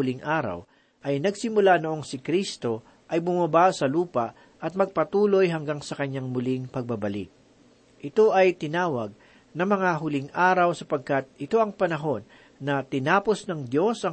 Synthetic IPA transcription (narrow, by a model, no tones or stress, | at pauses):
ʊlɪŋʔaːɾɐ̰w | ʔɐjnɐɡsɪmʊlanoʔo̞ŋsɪkɾist̪o̞ | ʔɐjbʊmɐbasɐluːpɐʔ | ʔɐt̪̚mɐɡ̚pɐt̪uːlo̞jɦɐŋɡaŋsɐkɐɲaŋmʊliŋpɐɡ̚bɐbɐlḭk̪̚ | ʔɪt̪o̞ʔɐjt̪ɪnaːwɐɡ̚ | nɐŋmɐŋaɦʊlɪŋʔaːɾɐwsɐpɐɡ̚kɐt̪̚ɪt̪o̞ʔɐŋpɐnɐɦo̞nː | ɐt̪ɪnaːpo̞snɐŋd̪jo̞sʔɐ